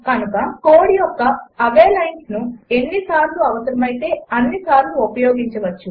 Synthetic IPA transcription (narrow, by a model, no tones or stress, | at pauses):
kɐnukɐkoːɽijɔkːɐɐʋeːlɐjnsnue̞nːisaːɾluɐʋɐsɐɾɐmɐjit̪e̞ːɐnːisaːɾluopɐjoːɡiɲt͡ʃɐʋɐt͡ʃːu